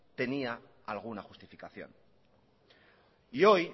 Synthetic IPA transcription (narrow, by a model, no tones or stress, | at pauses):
t̪e̞nia | alɣ̞unaχu̥st̪ifikaθjo̞̰n | io̞j